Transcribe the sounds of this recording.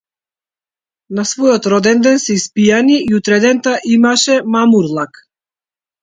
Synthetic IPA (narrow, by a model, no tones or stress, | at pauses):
nasvɔjɔt̪ɾɔd̪ɛnd̪ɛnsɛispijaniʔiut̪ɾɛd̪ɛnt̪aʔimaʃɛmamuɾlˠak